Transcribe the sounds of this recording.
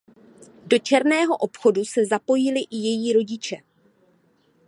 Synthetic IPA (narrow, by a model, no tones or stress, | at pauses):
do̞t͡ʃɛɾnɛːɦo̞ʔo̞pxo̞dusɛzapo̞jɪlɪʔɪjɛjiːɾo̞ɟɪt͡ʃɛ